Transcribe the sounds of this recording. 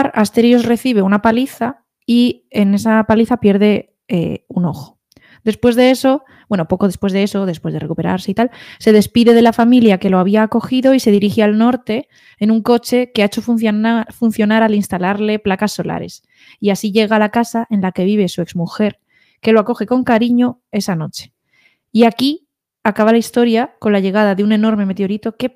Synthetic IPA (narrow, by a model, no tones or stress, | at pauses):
ɾast̪e̞ɾjosre̞θiβ̞e̞unapaliθa | i | ene̞sapaliθapje̞ɾðe̞ | ḛuno̞xo̞̥ | d̪e̞spwe̞zðe̞eso̞ | bwe̞nopo̞koðespwe̞zðe̞e̞so̞ðe̞spweð̞e̞rekupe̞ɾa̰ɾse̞it̪alse̞ð̞e̞spiðe̞ðe̞lafamiljake̞lo̞aβ̞iaːko̞xiðo̞ise̞ð̞iɾixealno̞ɾt̪e̞ː | nuŋko̞t͡ʃe̞keaet͡ʃo̞fθfun̟θjo̞naɾalinst̪alaɾle̞plakasːo̞la̰ɾe̞̰s | iasiʝe̞ɣalakasaʔe̞nlake̞β̞iβ̞e̞sue̞kzmuxe̞ɾ | ke̞lo̞ako̞xe̞ko̞ŋkaɾiɲo̞ | e̞sano̞t͡ʃe̥ | iaki | akaβalaist̪o̞ɾjako̞nlaʝe̞ɣ̞aðaðeune̞no̞ɾme̞me̞t̪eo̞ɾit̪o̞ke̞